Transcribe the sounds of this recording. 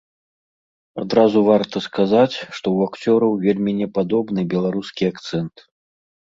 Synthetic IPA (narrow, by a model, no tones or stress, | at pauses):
ad̪ɾazuvart̪ɐskazat͡sʲʂt̪ɔwakt͡sʲɔɾɐwvʲelʲmʲinʲɛpad̪ɔbnɨbʲɛlˠaɾuskʲiakt̪sɛnt̪